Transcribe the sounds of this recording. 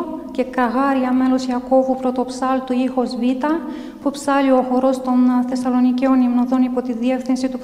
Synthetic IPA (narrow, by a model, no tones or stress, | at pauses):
ce̞kɐɣɐɾiɐme̞lo̞siɐko̞vupɾo̞t̪o̞psɐlt̪uixo̞zvit̪ɐ | pupsɐlio̞xo̞ɾo̞st̪o̞nθe̞sɐlo̞niceo̞nimnoðo̞nipo̞t̪iðie̞fθinsit̪u